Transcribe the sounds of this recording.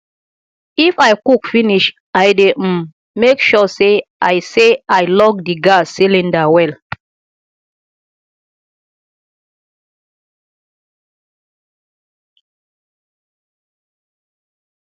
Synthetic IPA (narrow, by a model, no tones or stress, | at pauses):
ifajkukfiniʃ | ajde | mekʃɔseʔajseajlɔɡdiɡasilĩndawɛl